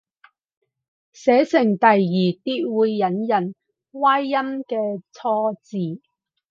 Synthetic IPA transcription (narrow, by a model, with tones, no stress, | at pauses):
sɛː˨˥sɪ˨˩ŋt̪ɐ˨jːiː˨˩t̪iː˥t̚wuː˨˧jːɐ˨˥njɐ˨˩n | waː˥jːɐ˥mkɛː˧t͡sʰɔː˧t͡siː˨˩